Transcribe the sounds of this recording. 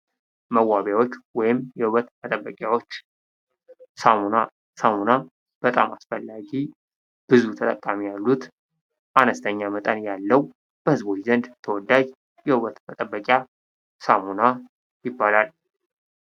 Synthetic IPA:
məwːaβjawo̞t͡ʃːwɔjɪmjɛhuβət̪mət̪ʼəbːəkʼjawo̞t͡ʃː | samuna | samuna | b̥ət̪ʼa̰masfəlːaɡi | b̥ɨzut̪ʰət̪ʼəkʼːamijalːut̪ | ʔanəst̪ʰəɲːamət̪ʼənjalːəw | b̥əhɨzbo̞t͡ʃzənd̪t̪ʰəwɔd̪ːad͡ʒ | jɛhuβət̪mət̪ʼəbːəkʼja | samuna | jɪbːalal

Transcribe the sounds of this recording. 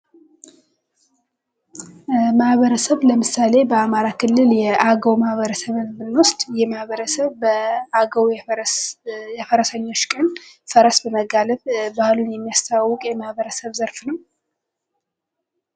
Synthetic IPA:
mahβəɾəsəβləmɨsale̞bəamaɾakʰɨlːɨljɛʔaɡəwmahβəɾəsəβɨnɨnːwʊst̪ʼjɛmahβəɾəsəβəaɡəwj | jɛfəɾəsəɲːo̞t͡ʃːkʼənfəɾəsbəməɡaləβbahlunjɛmːijast̪ʰəawːʊkʼjɛmahβəɾəsəβzəɾfnəw

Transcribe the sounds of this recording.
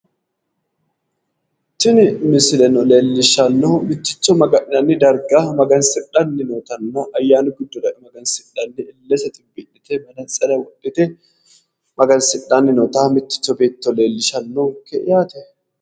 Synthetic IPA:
tːɪnɪmɪsɪlɛnɔle̞ːlːɪʃɐnːomɪt̪ːɪt͡ʃːɔmɐɡɐʔɪnɐnːɪd̪ɐɾɡaːmɐɡɐnsɪᶑɐnːɪnoːt̪ɐnːoʔɐjːaːnʊɡɪd̪ːʊdɐʔɪmɐɡɐnsɪᶑɐnːɪɪlːɛsɐt̪ʼɪbːɪʔɪt̪ɛmɐnɐsʼɐdɐwɔɗʼːɪt̪ɛ | mɐɡɐnsɪᶑːanːɪnoːt̪aːmɪt̪ːɪ̥t͡ʃːɔbe̞ːt̪ːɔleːlːɪʃɐnːokːɛɪjaːt̪ɛ

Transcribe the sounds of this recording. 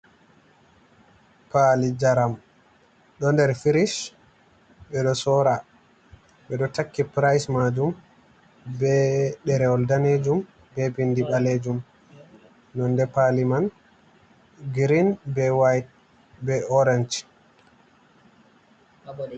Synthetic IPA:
palid͡ʒaɾam | ɗɔndɛɾfiɾiʃ | ɓɛɗɔsɔɾa | ɓɛɗɔtakːipɾajsmad͡ʒum | bɛɗɛɾɛɔldaned͡ʒum | bɛbindiɓaled͡ʒum | nɔndɛpaliman | ɡɾinbɛwajt̚ | bɛɔɾɛnd͡ʒ

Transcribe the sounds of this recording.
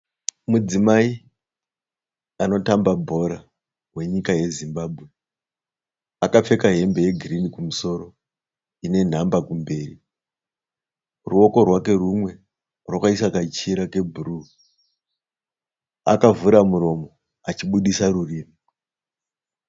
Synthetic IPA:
mud͡zimai | ano̞tambabʱo̞ɾa | ɦwe̞ɲikaje̞zimbaːbʱwe̞ | akap͡fe̞kaɦe̞mbe̞je̞ɡʱirinikumuso̞ɾo̞ | ine̞n̤ambakumbe̞ːrḭ | ruo̞ko̞rwake̞rumwe̞ | rwakaisakat͡ʃiɾake̞bʱuru | a̰kavuɾamuɾo̞mo̞ | at͡ʃiɓuɗisaruriːmi

